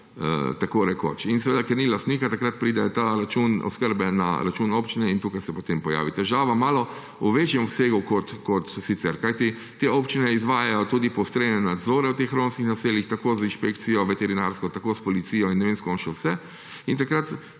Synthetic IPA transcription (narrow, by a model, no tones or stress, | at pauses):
ə̰t̪akoːɾɛko̰t͡ʃinsɛʋeːd̪akɛɾnilast̪niːkat̪akɾat̪̚pɾid̪ɛt̪aɾat͡ʃunɔ̰skəɾbɛna̰ɾat͡ʃuːnopt͡ʃinɛint̪uːkajsɛpɔt̪empɔja̰ːʋit̪ɛʒaːʋamaːlɔ | uʋet͡ʃjɛmɔpseːɡukɔt̪kɔt̪sit̪sɛɾkajt̪i | t̪eopt͡ʃinɛizʋaːjajɔt̪uːd̪ipɔwst̪ɾenɛnad̪zoːɾɛwt̪exɾonskixnaseːljixt̪akoːzinʃpekt̪sijɔʋɛt̪ɛɾinaɾskɔt̪akospɔlit̪siːjɔinːɛʋenskɔnʃɛwsɛ | int̪akɾat̪